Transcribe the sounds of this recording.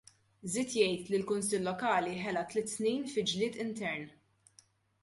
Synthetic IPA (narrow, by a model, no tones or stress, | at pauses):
zɪːt̪jɛjt̪lilkʊnsɪlːɔkɐːliħɛlɐt̪lɪt̪ːsniːnfɪd͡ʒlɪːt̪ɪnt̪ɛɾn